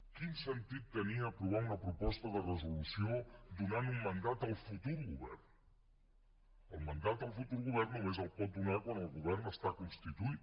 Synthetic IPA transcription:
kinsənt̪it̪ːəniəːpɾuβ̞aunəpɾupɔst̪əðərəzulusiod̪unanummənd̪at̪əlˠfut̪uɾɣuβɛ̰rn | əlˠmənd̪at̪̚d̪əlˠfut̪uɾɣuβɛrnːumezəlˠpɔt̪̚d̪unakwanəlˠɣuβ̞ɛrnəst̪akunst̪it̪uit̪

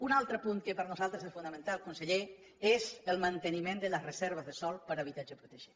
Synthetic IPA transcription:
unalˠt̪ɾəpuŋkəpəɾnuzalˠt̪ɾəzesfunəmə̃nt̪alˠkunsəʎe | ezəlˠmənt̪ənimẽnd̪ələrəzɛɾβ̞əzðəsɔlˠpəɾəβ̞it̪ad͡ʒəpɾut̪əʒe

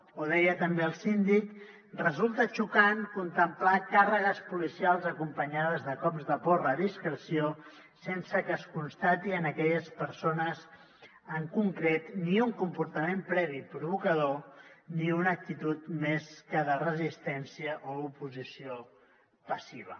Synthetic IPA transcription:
oðɛjət̪əmbeəlˠsind̪ik | rəzulˠt̪ət͡ʃukaŋkunt̪əmplakarəɣəspulisialˠzəkumpəɲað̞əzðəkɔbzðəpɔrəðiskɾəsio | sensəkəːskunst̪at̪iənəkɛʎəspəɾsonəz | əŋkuŋkɾet̪niuŋkumpuɾt̪əmempɾɛβ̞ipɾuβ̞ukəðoniunək̚t̪it̪ut̪meskəðərəzist̪ɛnsiəʔoupuzisio | pəsiβ̞ə

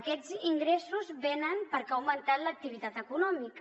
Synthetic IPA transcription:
kɛziŋɡɾesuzβenənpəɾkawmənt̪at̪lək̚t̪iβit̪at̪əkunɔmik

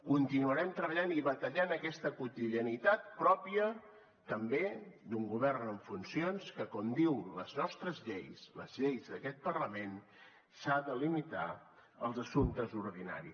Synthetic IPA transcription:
kunt̪inuəɾɛmt̪ɾəβəʎaniβət̪əʎanəkɛst̪əkut̪iðiənit̪at̪̚pɾɔpiə | t̪əmbed̪uŋɡuβ̞ɛrnəɱfunsionskəkɔmd̪iwləznɔst̪ɾəzʎejslə̰zʎejzðəkɛt̪̚pərləmen | saðəlimit̪a̰ | əlˠzəsunt̪əzuɾðina̰ɾḭ

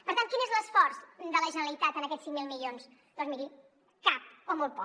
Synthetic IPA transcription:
pəɾt̪ant̪kinəezləsfɔɾsd̪ələʒənəlit̪at̪ənəkɛt̪siŋmilˠmiʎons | d̪̥ɔnzmiɾi | kap̚omolˠpɔ

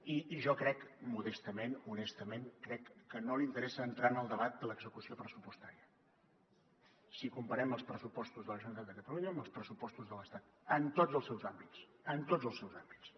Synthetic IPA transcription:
iʒɔkɾɛkmuðəst̪əmenunɛst̪əmenkɾɛkːənolint̪əɾɛsəːnt̪ɾanəlˠd̪əβat̪̚d̪ələɡzəkusiopɾəsupust̪aɾiə | sikumpəɾɛməlˠspɾəsupɔst̪uzðələʒunt̪əðəkət̪əluɲəːmbəlˠspɾəsupɔst̪uzðələst̪at̪̚ | ənt̪od͡zəlˠsɛwzambit͡s | ənt̪od͡zəlˠsɛwzambit͡s

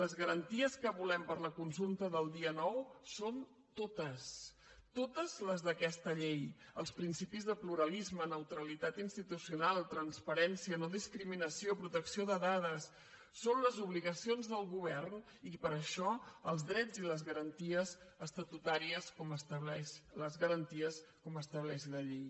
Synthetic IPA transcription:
ləzɣəɾənt̪iəskəβulɛmpəɾləkunsulˠt̪əðəlˠd̪iənɔwson | t̪ot̪əs | t̪ot̪əzləzðəkɛst̪əʎejəlˠspɾinsipizðəpluɾəlizmənəwt̪ɾəlit̪at̪inst̪it̪usiunalˠt̪ɾənspəɾɛnsiənoðiskɾiminəsiopɾut̪əksioðəðaðəsː | onləzuβliɣəsionzðəlˠɣuβ̞ɛrn | ipəɾəʃɔəlˠzðɾɛd͡ziləzɣəɾənt̪iəzəst̪ət̪ut̪aɾiəskɔməst̪əβlɛʃləzɣəɾənt̪iəskɔməst̪əβlɛʃləʎej

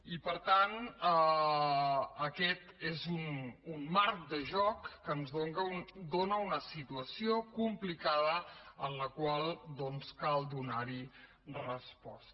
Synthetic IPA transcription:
ipəɾt̪an | əkɛt̪ezununmːaɾk̚d̪əʒɔkːənzðoŋɡəund̪onəunəsit̪uəsiokumplikaðəənləkwalˠd̪ɔnskalˠd̪unaɾi | rəspɔst̪

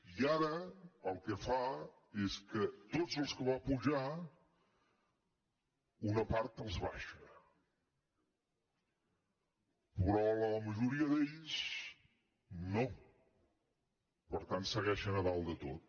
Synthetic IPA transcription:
iaɾəəlˠkɛfa | eskət̪odzəlˠskəβapuʒa | unəpaɾt̪əlˠzβa̰ʃə | pɾɔlələməʒuɾiəðeʎz | no | pəɾt̪ansəɣɛʃənəβalˠd̪ət̪ot̪̚

